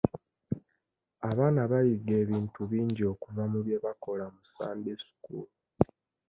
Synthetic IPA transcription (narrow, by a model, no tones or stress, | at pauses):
aβaːnaβajiɡe̞ːβiːntuβiːɲɟio̞kuvamuβje̞βako̞lamusa̰ːndesu̥kṵlu